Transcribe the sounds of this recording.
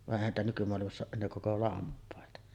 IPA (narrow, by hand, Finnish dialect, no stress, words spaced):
ʋɑʔ ʔeˑihæn niːtæ nykymoɑlimɑsː oːʔ ʔenːeː koko lɑmpˑɑˑetɑ